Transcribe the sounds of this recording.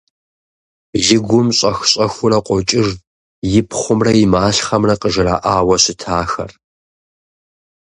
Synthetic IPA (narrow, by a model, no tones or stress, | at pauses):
jɪɡʷʊmɕʼɐxɕʼɐxʷʊrɐqʷʼɔt͡ʃʼɪʒ | jɪpʰχʷʊmrɐjɪmaːɬχɐmrɐqəʒɪraːʔaːwɐɕɪtʰaːxɐ̰r